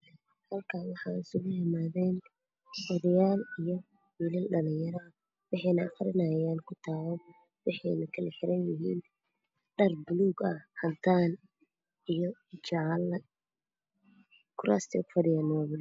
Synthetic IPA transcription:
hɐlkʰaːnwɑħɑːɪsʊɣʊhɪmaːðɛːn | wɔðɐjaːlijɔ | wiːlɪlɖɐlɪɲjɐɾɐ | wɑħɑjnɐɐχɾɪnɐjaːnkʰʊt̪ʰaːwɔ | wɑħɛ̰jnɐkʰɐlɛħɪɾɐnjɪɦḭːn | ɖɐrbʊluːɡɐhɐnt̪ʰaːn | ijɔt͡ʃɑʕlɐ | kʰʊɾa̰ːst̪ʰɛ̰kʊ̥fɐdɪjaːnːwaːβɪl

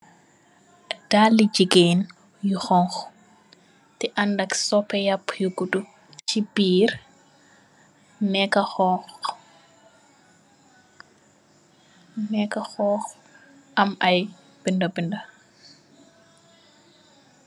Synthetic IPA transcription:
d̥alːid͡ʒiɡen | juxɔŋx | tɛʔandɐksɔpɛjapːjuɡudu | t͡ʃibiːɾ | nɛkaxɔx | mɛkaxɔx | ʔɐmʔaj | b̥indabinda

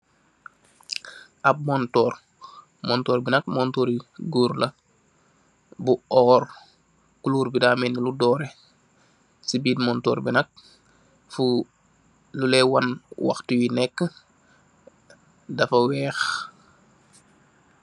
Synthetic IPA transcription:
ʔɐb̚mɔntɔːɾ | mɔntɔːɾbinɐk̚mɔntoɾiɡuːɾlɐ | buɔːɾ | kuluːɾbidaːmɛniludɔːɾɛ | sibiːdmɔntɔ̰ːɾbinɐk̚ | fu | lulɛwanwa̰xtujinɛkːə | dɐfɐwɛːx

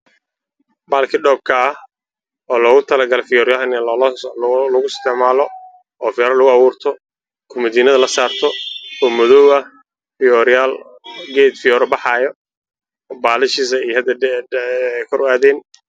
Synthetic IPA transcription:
baːlkʰɪɖɔːb̚kʰɐɐh | ɔːlɔːɣʊt̪ʰɐlɐɡɐlɛfɪjɔɾɪjaɐn | lɐɣʊɪst̪ʰɛʕmaːlɔ | ɔːfɪjɔɾɐlʊɣʊɑwuːrt̪ʰɔ | kʰʊmɐd̪iːnɐðɐlɐsaːrt̪ʰɔɔːmɔðɔwɐ | fɪjɔɾɪjaːl | ɡɛːd̪fɪjɔːɾɔbɑħɑːjɔ | baːlɪʃɪsɐijhɐd̪ɐ | kʰɔɾʔaːðɛːn

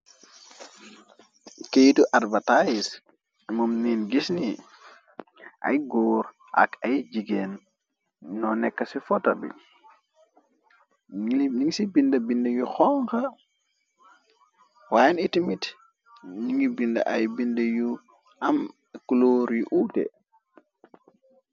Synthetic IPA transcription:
kejituʔadbatajis | mumniːnɡisni | ʔa̰jɡoːɾ | ʔa̰kajd͡ʒiɡenː | ɔnɛkːɐsifɔtabḭ | liniŋsibindɐbindɐjuxɔŋka | wajanitimit | niŋibindɐ̰ʔajbindeju | am | kuloɾjuʔutḛ

